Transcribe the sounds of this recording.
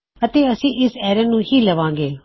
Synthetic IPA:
ət̪eːəsĩːʔɪsɛːɾənũːhiːləʋãːŋɡeː

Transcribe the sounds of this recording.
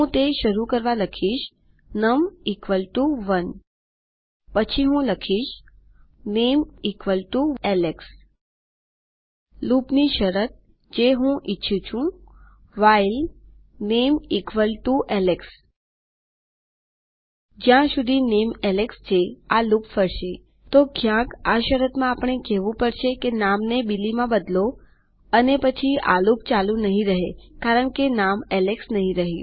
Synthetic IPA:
ɦũt̪eʃəɾukəɾʋaləkʰiːʃ | nəmikʋəlʈuʋən | pət͡ɕʰiɦũləkʰiːɕ | neːmikʰʋəlʈuɛleks | luːpniʃəɾət̪̚ | d͡ʑeɦũʔitːɕʰut͡ɕʰũ | ʋail | neːmikʰʋəlʈuʔɛleks | d͡ʒjãʃud̪ʱinemɛlekst͡ʃʰealupfəɾʃe | t̪okʰjãkaʃəɾət̪mãapɳ̃ekeʋũpəɽʃekenamnebilimãbəd̪lo | ənepət͡ʃʰia̰lup̚t͡ʃalũnəɦĩɾəɦekaɾəɳkenamɛleksnəɦĩɾəɦe

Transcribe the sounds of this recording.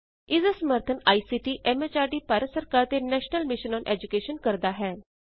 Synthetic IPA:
ɪzsəməɾt̪ʰənaːiːsiːʈiːʔɛːmet͡ʃaːɖiːpaːɾəsəɾkaːɾt̪eːnɛːʃnəlmɪʃənɔːnʔɛːd͡ʒʊkeːʃənkəɾd̪aːɦɛː

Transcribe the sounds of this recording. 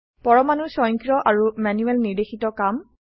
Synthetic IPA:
pɔɹɔmanusɔjŋkɹɔʔaɹumanuɛlniɹdexitɔkam

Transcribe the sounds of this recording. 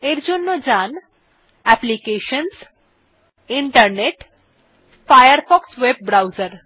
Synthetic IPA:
eɾd͡ʒonːod͡ʒan | ɛplikeʃəns | iɳʈəɾneʈ | fajəɾfɔksʋeb̚bɾawzəɾ

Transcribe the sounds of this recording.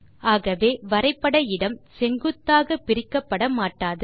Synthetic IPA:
aːɣɐʋeːʋɐɾɐɪpːɐɽɐɪɽɐmsɛŋɡɯt̪ːaːɣɐpːɪɾɪkːɐpːɐɽɐmaːʈːaːðɯ

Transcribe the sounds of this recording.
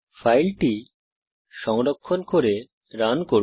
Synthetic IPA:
fajlʈi | ʃɔŋɾokʰːonkoɾe | ɾanko

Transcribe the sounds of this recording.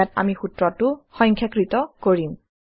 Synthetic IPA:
ata̰mixutɹɔtʊxɔjŋkʰjakɹitɔkoɹim

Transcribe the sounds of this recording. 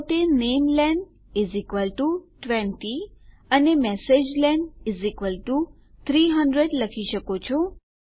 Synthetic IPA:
t̪enemlɛn | izikʋəlʈuʈʋɛ̃nʈi | ənemɛsed͡ʒlɛnizikʋəlʈu | t̪ʰɾiɦəɳɖɾed̪ləkʰiʃəkot͡ʃʰɔ

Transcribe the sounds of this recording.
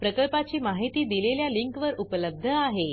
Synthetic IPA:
pɾəkəɭpat͡ɕiːmaɦit̪iːd̪ileljaliŋkʋəɾupələb̚d̪ʱəaɦe

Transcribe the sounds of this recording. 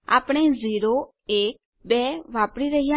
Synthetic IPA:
a̰ːpɽ̃eziːɾo | eːk̚ | beʋaːpɽiɾəɦijã

